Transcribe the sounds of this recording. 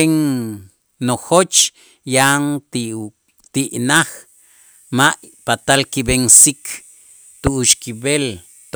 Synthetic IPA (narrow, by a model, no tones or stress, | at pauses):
eŋ | noxot͡ʃ | jaŋt̪ | t̪iʔnax | maʔpat̪alkibeŋsikʰ | t̪uʔuʃkibel | t̪